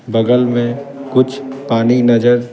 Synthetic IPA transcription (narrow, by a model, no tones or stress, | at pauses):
bɐɡəlmẽkʊt͡ʃʰpaːninɐd͡ʒəɾ